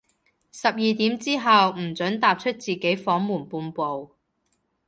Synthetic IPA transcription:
sɐ˨p̚jiː˨˧t̪iː˨˥mt͡siː˥ɦɐ˨wm̩˨˩t͡ʃɵ˨˥nt̪aː˨p̚t͡ʃʰɵ˥t̚t͡siː˨ke˨˥jfɔː˨˥ŋmuː˨˩npuː˧npo˨w

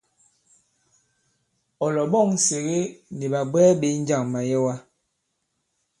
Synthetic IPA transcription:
ɔ˨lɔ˨ɓɔ˦˨ŋ̩˦se˨ɣe˦ni˨ɓa˨ɡ͡bɛː˦ɓe˨˦n̩˦d͡ʒa˦˨ŋma˨jɛ˦wa˦

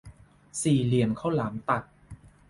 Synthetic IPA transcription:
siː˨˩li˨˩ənkʰa˥˩wlaː˩˦mt̪a˨˩t̪̚

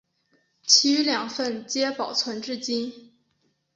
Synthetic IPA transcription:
t͡ɕʰi˧˥y˧˥ljɑ˨˩ŋfə˥˩nt͡ɕjɛ˥pɑ˨˩ʊt͡sʰwə˧˥nʈ͡ʂɻ̩˥˧t͡ɕi˥n

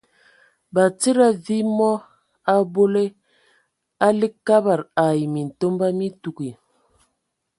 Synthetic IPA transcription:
ba˨t͡si˦ɾa˦vi˦mɔ˦ | a˦bo˦le˦ | a˦li˦kkːa˦ba˨ɾa˨i˨mi˨n̩˨to˦mba˦mi˦tu˨ki˨

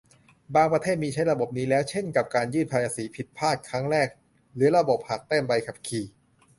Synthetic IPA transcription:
baː˧ŋpɾa˧t̪ʰeː˥˩t̪̚miː˧t͡ɕʰa˦˥jɾa˧bo˨˩p̚niː˦˥lɛː˦˥wt͡ɕʰe˥˩nka˨˩p̚kaː˧njɯː˥˩npʰaː˧jʔaː˧siː˩˦pʰi˨˩t̪̚pʰaː˥˩t̪̚kʰɾa˦˥ŋɾɛː˥˩k̚ | ɾɯː˩˦ɾa˧bo˨˩p̚ha˨˩k̚t̪ɛː˥˩nwa˧jkʰa˨˩p̚kʰiː˨˩

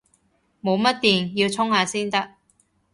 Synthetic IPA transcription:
mo˨˧wmɐ˥t̚t̪iː˨˩njiː˧wt͡sʰʊ˥ŋhaː˧siː˥nt̪ɐ˥k̚

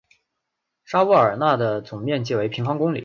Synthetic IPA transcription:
ʂa˥wu˥˩ə˞˨˩na˥˩d̪ə˩t͡sʊ˨˩ŋmjɛ˥˧nt͡ɕi˥˩we˧˥ɪpʰi˧˥ŋfɑ˥ŋkʊ˥ŋlḭ˨˩˦

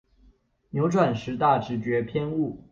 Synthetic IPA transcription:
njo˧˥ʊʈ͡ʂwa˨˩nʂɻ̩˧˥t̪a˥˩ʈ͡ʂɻ̩˧˥t͡ɕɥɛ˧˥pʰjɛ˥˧nu˥˩

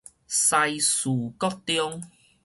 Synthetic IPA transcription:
sa˧jsu˨˩kɔ˥k̚t̪jɔ˦˥ŋ

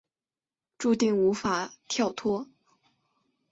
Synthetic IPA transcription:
ʈ͡ʂu˥˧t̪i˥˩ŋu˧˥fa˨˩t̪ʰjɑ˥˩ʊt̪ʰwɔ˥

